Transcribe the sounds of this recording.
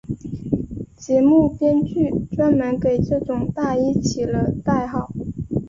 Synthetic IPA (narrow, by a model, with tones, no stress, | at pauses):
t͡ɕjɛ˧˥mu˥˩pjɛ˥nt͡ɕy˥˩ʈ͡ʂwa˥nmə˧˥nke˨˩ɪʈ͡ʂɤ˥˩ʈ͡ʂʊ˨˩ŋt̪a˥˩˧i˥t͡ɕʰi˨˩lə˦t̪a˥˩ɪxɑ˨˩˦ʊ